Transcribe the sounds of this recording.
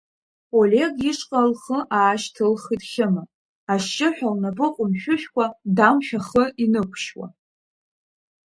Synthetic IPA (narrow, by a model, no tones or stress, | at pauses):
olʲe̞ɡiʂqʼalχəʔaːʃtʰɨlχidχʲɪma | aʃt͡ʃʼɪħʷᶣalnabɨqʼʊmʃᶣʊʃʲᶣkʷʰadamʃᶣaχəʔinɨkʷʰʃwa̰